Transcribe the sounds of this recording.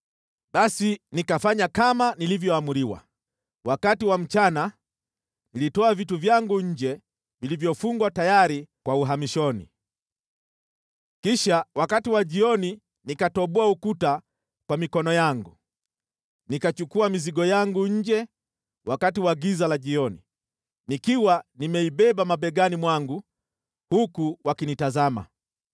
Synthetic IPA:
ɓasinikafaɲakamanilivjɔamuɾiwa̰ | wakatiwam̩t͡ʃana | nilitɔavituvjaŋɡuɲ̩d͡ʒɛ | vilivjɔfuŋɡwatajaɾikwauɦamiʃɔnḭ | kiʃawakatiwaʄiɔni | nikatɔɓɔaukuta | kwamikɔnɔjaŋɡu | nikat͡ʃukuamiziɡɔjaŋɡuɲ̩d͡ʒɛ | wakatiwaɡizalaʄiɔni | nikiwanimɛiɓɛɓamaɓɛɡanimwaŋɡu | hukuwakinitazama̰

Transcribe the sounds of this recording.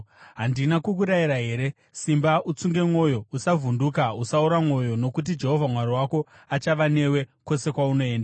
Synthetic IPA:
ɦandinakukuɾaiɾaɦe̞ːɾe̞ | simbaut͡suŋɡe̞mwo̞jousavʱundukausauɾamŋo̞jo̞no̞kut̬id͡ʒe̞ɦo̞vʱamwaɾiwako̞ | at͡ʃaʋane̞we̞ko̞se̞kwauno̞e̞ːnda

